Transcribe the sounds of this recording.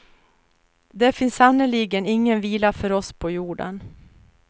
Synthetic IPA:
d̪ɛfɪnsːanːəliːɡənɪŋːənviːlafœɾɔspʰɔjuːɖə̰n

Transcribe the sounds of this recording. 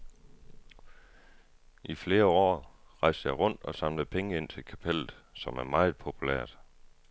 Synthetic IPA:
ʔifle̝ːɐɒ̰ːʁɑ̈ɪ̰sd̥əjɑ̈ɪʁɔ̽n̰d̥ɒ̽sɑ̈mləð̩ˠpʰeŋəe̝n̰t͡sʰe̝lkʰæpʰel̰ð̩ˠsɒ̽mæɐmɑ̈ɪð̩ˠpʰo̝pʰulæ̰ɐ̰d̥

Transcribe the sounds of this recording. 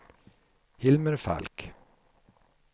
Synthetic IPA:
hɪlməɾfæ̰lk

